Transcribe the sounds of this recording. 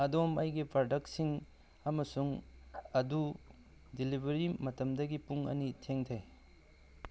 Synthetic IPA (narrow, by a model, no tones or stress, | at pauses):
ɐdomɐjɡipɾɐdɐk̚tsiŋ | ɐmɐsuŋɐdu | dilibʱɐɾimɐtɐmdɐɡipuŋɐ̰nitʰeŋtʰej